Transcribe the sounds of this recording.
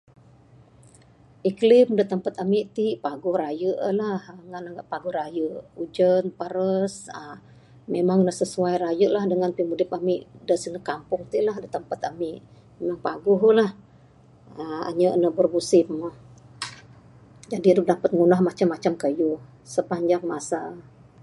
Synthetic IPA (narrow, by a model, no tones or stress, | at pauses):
ʔiklɪmdət̪əmpat̪amiʔt̪iʔpaɡʊhrajəʔlahŋanəŋɡaʔpaɡʊhɾajəʔud͡ʒənpəɾəsə | memaŋnəhsəsuajɾajəʔlahdəŋanpimudɪp̚amiʔdəsinəkampʊŋt̪iʔlahdət̪əmpat̪amɪʔ | memaŋpaɡʊɦlah | əa̰ɲəʔnəbərbusɪməh | d͡ʒadidʊk̚dapət̪̚ŋunahmat͡ʃamːat͡ʃamkəju | səpaɲd͡ʒaŋmasa